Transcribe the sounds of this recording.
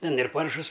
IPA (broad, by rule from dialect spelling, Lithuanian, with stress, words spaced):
ˈtʲɛn ɪr ˈpɐrʃʊs